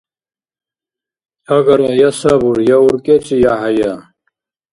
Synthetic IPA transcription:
hɐɡɐɾɐjɐsɐbuɾjauɾket͡ɕijaɦɐja

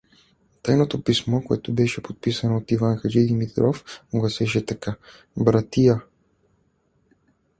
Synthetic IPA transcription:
t̪ajnot̪opismokoɛt̪obɛʃɛpot̪̚pisɐnoːt̪ivanxɐd͡ʒid̪imit̪ɾɔfɡlɐsɛʃ̬ɛt̪ɐka | bɾat̪ija

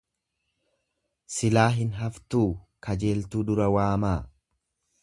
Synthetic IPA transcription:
sɪlaːɦɪnɦɐft̪uːkʰɐd͡ʒe̞ːlt̪uːd̪ʊɾɐwaːmaː

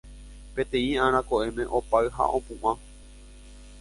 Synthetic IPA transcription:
pet̪ẽ̞ĩãɾ̃ãkoʔemẽ̞ʔopaɨɦa̰ʔõpũʔʷã

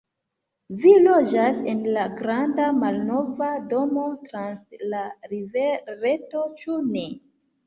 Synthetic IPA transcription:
vilo̞d͡ʒasenlaɡɾandamalno̞vado̞mo̞tɾanslaɾiveɾe̞to̞t͡ʃune

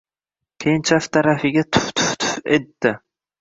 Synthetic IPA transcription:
kʲʰejɪnt͡ʃʰaft̪ʰaɾafɪɡʲat̪ʰʊ̥ft̪ʰʊ̥ft̪ʰʊ̥fet̪ːɪ

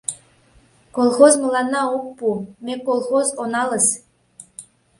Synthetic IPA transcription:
kolˠχozmɤ̆lˠɑnːɑup̚pumʲekːolˠχozonɑlˠɤ̆s

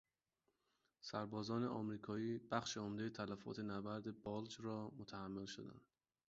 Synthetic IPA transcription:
sæɾbɒːzɒːneʔɒmɾiːkʰɒːiːb̥æxʃe̞omd̪ejet̪ʰælæfɒ̰ːt̪ʰe̞næbæɾd̪e̞bɒːld͡ʒrɒːmot̪ʰæhæmːelʃo̰d̪æ̰nd̪̥

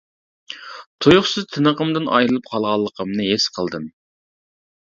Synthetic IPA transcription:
t̪ʰojʊχsɨzt̪ʰɨnəqəmd̪ɨnɑ̰jɾɨlˠɨp̚qʰɑlˠʁɑlˠːəqʰəmnɨɦesqʰəlˠd̪ɨm

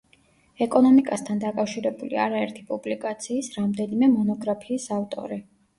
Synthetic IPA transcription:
ɛkʼɔnɔmikʼast̪ʰand̪akʼafʃiɾɛbulḭaɾaɛɾt̪ʰi̥pʼublikʼat̪sʰiːsɾamd̪ɛnimɛmɔnɔɡɾapʰiːsaft̪ʼɔ̰ɾi

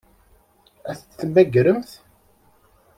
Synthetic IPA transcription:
æθət͡sːθmæɡɾəmθ

